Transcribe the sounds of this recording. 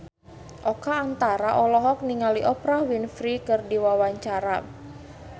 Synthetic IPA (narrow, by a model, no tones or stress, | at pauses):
ʔɔkaːnt̪aɾaʔɔlɔɦɔk̚niŋaliʔɔpɾahwinfɾikɨrdiwawaɲt͡ʃaɾa